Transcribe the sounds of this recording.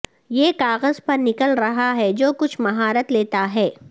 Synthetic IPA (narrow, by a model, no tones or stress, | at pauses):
jeːkaːɣəzpɐɾnɪkəlɾɐɦaɦɛd͡ʒoːkʊt͡ʃʰmɐɦaːɾət̪leːt̪aɦɛː